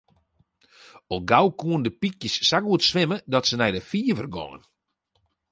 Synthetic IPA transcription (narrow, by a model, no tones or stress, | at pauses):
ɔlˠɡawkuəndəpikjəsːakuətsʋɪmədɔtsənɛjdəfiːəvərɡɔ̰ŋə̰n